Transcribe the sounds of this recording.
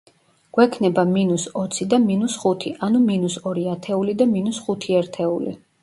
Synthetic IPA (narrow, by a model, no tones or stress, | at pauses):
ɡ̥wɛkʰnɛbaminusɔt̪sʰid̪aminusχut̪ʰiʔanuminusɔɾiat̪ʰɛulid̪aminusχut̪ʰiɛɾt̪ʰɛulḭ